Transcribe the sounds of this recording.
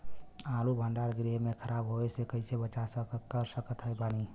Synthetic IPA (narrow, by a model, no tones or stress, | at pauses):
ãlubʱəɳɖaɾɡɾeɦmekʰəɾabɦoesekəɪsebət͡ʃasəkəɾsəkət̪ɦəjbani